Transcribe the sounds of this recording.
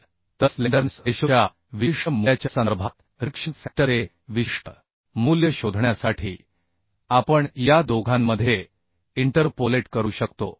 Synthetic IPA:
t̪əsleɖəɾnseɕuja | ʋiʂəmujat͡ɕasaɾbʱat̪ | ɾikʂiʈfæk̚ʈːəɾe | ʋiʂʈə | muljəɕod̪ʱɳjasaʈʰiː | apəɳjad̪oɡʱamːəd̪ʱːje | iɳʈəɾpoleʈkəɾuːɕəkt̪o̰

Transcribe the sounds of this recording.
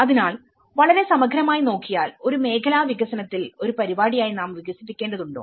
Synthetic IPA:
ɐðinaːɭ | ʋɐɭɐɾe̞sɐmɐɡʱɾɐmaːjino̞ːkːijaːlo̞ɾume̞ːkʰɐlaːʋiɡɐsɐnɐt̪ːilo̞ɾupɐɾibaːɽijaːjinaːmʋiɡɐsipːikʲːeːɳɖɐðuɳɖo̰ː

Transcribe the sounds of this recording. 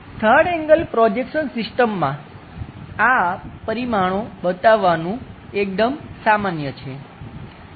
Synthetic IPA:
t̪ʰəɽɛŋɡəlpɾɔd͡ʒekʃənsɪsʈəmːã | apəɾimaɽ̃obət̪aʋːanũek̚d̪əmsamanjət͡ʃʰe

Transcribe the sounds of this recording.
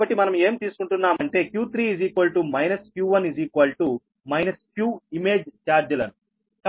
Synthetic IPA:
bɐʈːimɐnɐme̞ːmt̪iːsu̥kuɳʈunːaːmɐɳʈe̞ːkjuːt̪ʰɾiːiziːkʋɐlʈumɐjnɐskjuːʋɐnid͡ʒiːkʋɐlʈu | mɐjnɐskjuːime̞ːd͡ʒt͡ʃaːɾd͡ʒɐlɐnu | k

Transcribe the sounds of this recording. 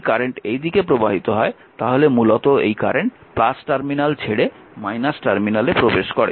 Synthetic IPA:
kaɾeɳʈejd̪ikepɾobaɦit̪oɦɔe | t̪aɦolemulot̪oḛjkaɾeɳʈplasʈaɾminalt͡ɕʰeɽe | majnasʈaɾminalepɾobeʃkɔɽḛ

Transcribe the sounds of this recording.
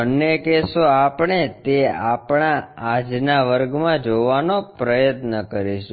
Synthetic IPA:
ənːekesoapɳ̃et̪eapɳaːd͡ʒnaʋəɾɡmãd͡ʒoʋanopɾəjət̪nəkəɾiʃũ

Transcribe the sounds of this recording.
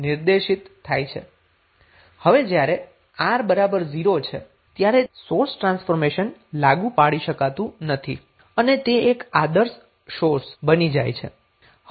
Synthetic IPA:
nɪɾd̪eʃit̪ʰːajt͡ʃʰḛ | həʋed͡ʒjaɾe | aɾbəɾabəɾziɾot͡ʃʰḛ | t̪jaɾesoɾsʈɾãnsfoɾmeʃənlaɡũpaɽiʃəkat̪ũnət̪ʰḭ | ənet̪eekad̪əɾs | ʃoɾsbənid͡ʒa̰jt͡ʃʰḛ

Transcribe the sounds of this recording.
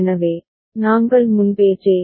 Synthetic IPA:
nɐʋeː | naːŋɡɐɭmʊnpeːt͡ʃːeː

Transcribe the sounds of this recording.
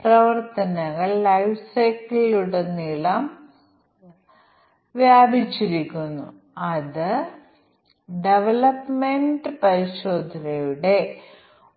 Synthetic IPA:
prɐʋɐrt̪ɐnɐɣɐɭːɐjʋsɐjkliluɽe̞nilɐm | ʋjaːbʱit͡ɕːiɾikʲːunːṵ | ɐðɨ | ɖe̞ʋɐlɐpmeɳɖɨpɐɾiɕo̞ːd̪ʱɐnɐjuɽe̞

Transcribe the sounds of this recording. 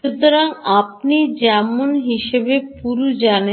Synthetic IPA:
ut̪oɾaŋap̚nid͡ʑɛmonɦiʃebepuɾud͡ʑane

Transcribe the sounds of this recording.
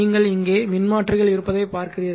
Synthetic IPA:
iːŋɡɐɭɪŋɡeːmɪnmaːʈrɪɣɐɭɪɾɯpːɐðɐɪpaːɾkɪrɪjɐð

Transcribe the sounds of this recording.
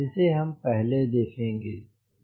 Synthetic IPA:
ɪseɦɐmpɛɦled̪eːkʰẽːŋɡeː

